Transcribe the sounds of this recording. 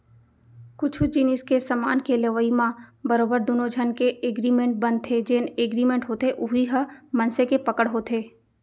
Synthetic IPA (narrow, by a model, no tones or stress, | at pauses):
kʊt͡ʃʰʊd͡ʒɪnɪskesəma̰ːnkeleʋəimãbəɾoːbəɾd̪uːnod͡ʒʱənkeʔeɡɾiːmẽɳʈ̚bɐ̃nd̪̚t̪ʰed͡ʒeːneːɡɾiːmẽɳʈɦoːt̪eʔʊɦiɦəmɐnsekepɐkəɽɦoːt̪ʰeː